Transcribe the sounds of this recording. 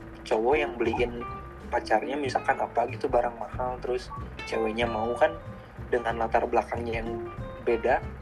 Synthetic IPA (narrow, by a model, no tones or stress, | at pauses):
t͡ʃowɔjaŋbəliɪn | pat͡ʃarɲamisakanapaɡit̪ubaɾaŋmahalt̪əɾʊst͡ʃɛwɛɲamaukan | dəŋanlat̪arblakaŋɲajaŋbeda